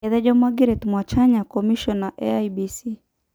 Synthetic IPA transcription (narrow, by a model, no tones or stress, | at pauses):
ɛðɛd͡ʒɔmaɡiɾetmwat͡ʃaɲakɔmiʃɔnaʔɛajbisi